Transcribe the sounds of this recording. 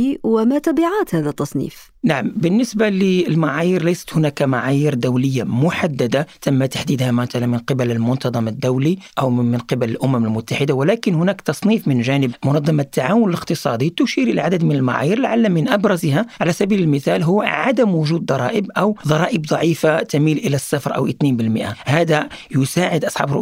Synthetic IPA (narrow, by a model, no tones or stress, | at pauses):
iwəmæt̪æbiʕaːt̪hæðæt̪ːɑsˤnḭːf | naʕambənːəsbaləəlmaʕajiɾlæjsə̥t̪hʊnækamaʕajiɾd̪æwləjːamʊħad̪ːæd̪at̪æmːat̪ḁħd̪iːd̪hæmæt̪ælænmənqəbæləlmʊnt̪ɑd̪ˤɑməd̪ːæwliʔæwmənqəbæləlʔʊmæməlmʊt̪ːaħəd̪awælækənhʊnækt̪ɑsˤniːfmənʒænəbmʊnɑd̪ˤːɑmat̪ʰːaʕawʊnələqt̪əsˤɑd̪it̪ʊʃiɾʔəlaʕad̪əd̪mənəlma̰ʕa̰jəɾlʕalːamənʔɑbɾˤɑzhaʕalæsæbiləlməθælɦʊːʕad̪əmwʊʒuːd̪̚d̪ˤɑɾˤɑ̰ʔəbʔæwd̪ˤɑɾˤɑʔəbd̪ˤɑʕifat̪æmiːlʔəlæsːafɾˤʔæ̰wʔət̪ninbəlməʔahæd̪ajʊsaːʕəd̪ʔɑsˤħɑ̰bɾʊ̰ʔ